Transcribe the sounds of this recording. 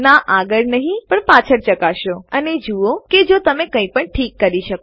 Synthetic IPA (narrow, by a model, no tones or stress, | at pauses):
naʔaɡəɭnəɦĩpəɳpat͡ʃʰəɾt͡ʃəkaʃoəned͡ʒuoked͡ʒot̪əmekə̃ĩpəɳʈʰikːəɾiʃək